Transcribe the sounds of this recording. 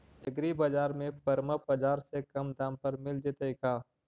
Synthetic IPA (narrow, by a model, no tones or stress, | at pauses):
ɪɡɾibɐd͡ʒaːɾmẽpɐɾməpɐd͡ʒaːɾsekɐmd̪ãːmpəɾmɪld͡ʒɪt̪əikʰaː